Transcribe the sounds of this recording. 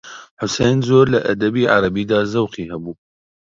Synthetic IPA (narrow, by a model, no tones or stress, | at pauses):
ħʊsejnzoːɾlɐʔɐd̪ɛbiːʕɑ̰ɾɐbiːd̪aːzɐwqiːhɛbuː